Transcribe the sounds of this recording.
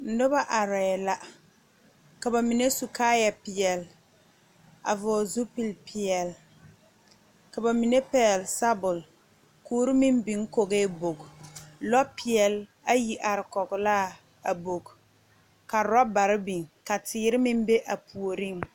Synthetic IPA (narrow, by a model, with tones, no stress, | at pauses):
n̩˨˦nʊ˦ba˦ʔa˨ɾɛ˨la˦ | ka˨ba˨mi˨ne˦su˨kaː˦ja˨pɪ˨ɛ˨l | a̰˨vɔ˨zu˦pi˨lpʰi˨ɛ˨l | ka˨ba˨mi˨ne˦pɛ˦ɛ˨lsa˦bʊ˨l | kuː˦ɾi˦mi˦n˦bi˨ŋ˦ko˨ɣe˦bo˨ɡlɔ˦pɪ˨ɛ˨l | a˦ji˨ʔa˨ɾɪ˨kɔ˨ɡla˦˨ | a˨bo˨ɡ | ka˨ɾɔ˦ba˨ɾɪ˦bi˨ŋka˨tɪː˨˦ɾɪ˦mɪ˦mbe˦ʔa˨pʰu˨o˨ɾi˦˨ŋ